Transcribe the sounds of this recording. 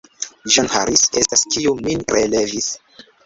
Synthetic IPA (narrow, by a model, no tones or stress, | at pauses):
ʒanha̰ɾise̞staskʰiuminɾele̞vis